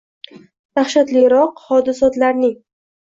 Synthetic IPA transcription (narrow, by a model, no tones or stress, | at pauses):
d̪aχʃat̪lɪɾɒqhɒd̪ɪsɒt̪laɾnɪŋ